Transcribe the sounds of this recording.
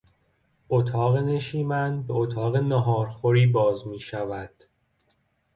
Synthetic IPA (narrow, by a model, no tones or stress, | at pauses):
ʔot̪ʰɒːɣe̞ne̞ʃiːmænbe̞ot̪ʰɒːɣe̞nɒɦɒːɾxoɾiːbɒːzmiːʃævæd̪̥